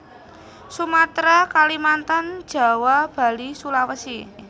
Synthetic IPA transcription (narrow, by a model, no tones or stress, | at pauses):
sumat̪ɾakalimant̪and̥ʒ̥a̤wab̥a̤lisulawəsi